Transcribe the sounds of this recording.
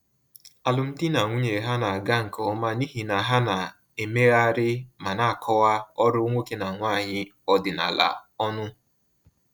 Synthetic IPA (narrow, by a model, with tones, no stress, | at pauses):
a˨lʊ˨n̩˦di˦na˨ŋʷu˦ɲe˨ɦa˦na˨a˨ɡa˦ŋ̩˨kɔ˨˦ma˦ni˦ɦi˨na˨ɦa˦na˨ | e˨me˦ɣa˦ɾɪ˦ma˨na˦˨a˨kʰɔ˦wa˦ɔ˦ɾʊ˦ŋʷo˦ke˦na˨ŋʷaː˦˨ɲɪ˦ | ɔ˦dɪ˨na̰˨la̰˨ɔ˦nʊ˦